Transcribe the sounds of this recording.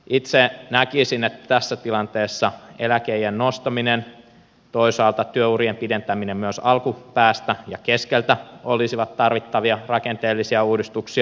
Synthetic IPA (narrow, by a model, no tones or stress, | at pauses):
it̪senækisinet̪ːæ̥t̪æsːæt̪ilɑnt̪eːsːɑelækeijennost̪ɑminen | t̪oisɑːlt̪ɑt̪yøuriempident̪æminemmyøsɑlkupæːst̪æjɑkeskelt̪æolisiʋɑt̪t̪ɑrʋit̪ːɑʋiɑrɑkent̪eːlːisiæuːdist̪uksiɑ